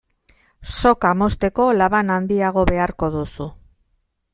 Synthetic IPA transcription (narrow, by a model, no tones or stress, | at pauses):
so̞kamo̞st̪e̞ko̞laβanand̪iaɣ̞o̞βe̞aɾko̞ðusu